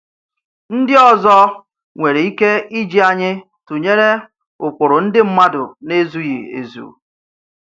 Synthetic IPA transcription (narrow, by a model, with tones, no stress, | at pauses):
n̩˦dɪ˦ɔ˨zɔ˦ | ŋʷe˨ɾe˨i˦ke˦i˦d͡ʒi˦a˨ɲɪ˦ | tu˨ɲe˦ɾe˦ | ʊ˨k͡pʊ˨ɾʊ˨n̩˦dɪ˦m̩˦ma˦dʊ̰˨ne˦zu˦jḭ˨ḛ˨zṵ˨